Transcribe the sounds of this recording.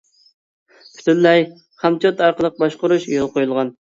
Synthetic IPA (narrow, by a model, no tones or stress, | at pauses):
pʰy̥t̪ʰynlɛj | χɑmt͡ʃʰot̪ɑɾqəlˠəq̚bɑʃqʊɾuʃjolˠqojulˠʁɑn